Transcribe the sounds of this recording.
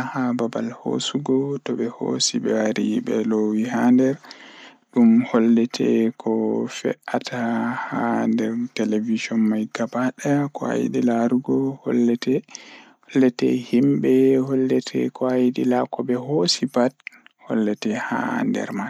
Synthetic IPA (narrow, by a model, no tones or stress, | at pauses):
hababalho̰suɡɔtɔbɛho̰sibɛwaɾibɛlowihandɛɾ | ɗumhɔlːɛtʰɛkʰɔfɛ̰ʔatʰahandɛɾtɛlevid͡ʒɔnmajɡabaɗakɔa̰jḭɗilaɾuɡɔhɔ̰lːɛtɛ | hɔlːɛtɛ̰himbɛhɔlːɛtʰɛ̰kɔajiɗilakɔbɛɦosibat̚hɔlːɛtɛha̰ndɛ̰ɾma